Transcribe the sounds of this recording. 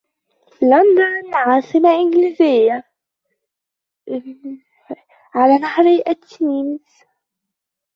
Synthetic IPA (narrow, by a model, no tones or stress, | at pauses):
land̪annʕɑːsˤɨmaʔɪnɡliːzɪjːa | ʕalænahɾiʔatːiːnz